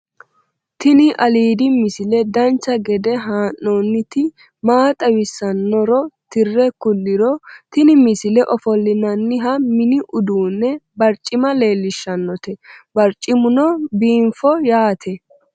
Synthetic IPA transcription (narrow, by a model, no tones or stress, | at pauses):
t̪ɪnɪʔɐliːd̪ɪmɪsɪlɛd̪ɐnt͡ʃːɐɡɛd̪ɛɦaːnːoːnːɪt̪ɪ | maːt̪ʼɐwɪsːɐnːɔɾɔt̪ɪrːɛkʊlːɪɾɔt̪ɪnɪmɪsɪlɛʔɔfɔlːɪnɐnːɪɦɐmɪnɪʔʊd̪uːnːɛbɐɾt͡ʃʼːɪmɐle̞ːlːɪʃːɐnːɔt̪ɛbɐɾt͡ʃʼːɪmʊnɔbiːɱfɔjaːt̪ʰɛ